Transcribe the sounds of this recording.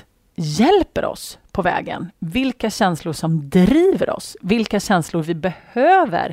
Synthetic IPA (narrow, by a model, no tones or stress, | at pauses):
jɛlpəɾɔ̰spʰɔvɛ̰ːɡə̰nvɪlkaɕɛnslʊʂɔmd̪ɾiːvə̰ɾʔɔ̰svɪlkaɕɛnslʊɾvɪbɛhøːvə̰ɾ